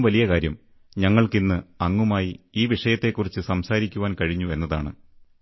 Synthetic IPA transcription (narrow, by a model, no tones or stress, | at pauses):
ʋɐlijɐkaːɾjɐm | ɲɐŋːɐɭkinːɨɐŋːumaːjiiːʋiʂɐjɐt̪ːe̞kːurit͡ɕːɨsɐmsaːɾikʲːuʋaːnkɐɻiɲːue̞nːɐða̰ːɳɨ̰